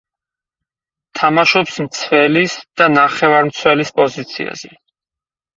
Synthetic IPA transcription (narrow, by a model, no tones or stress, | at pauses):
t̪ʰamaʃɔpsmt̪sʰvɛlisd̪̥anaχɛvaɾmt̪sʰwɛlispʼɔzit̪sʰḭa̰z̥ɛ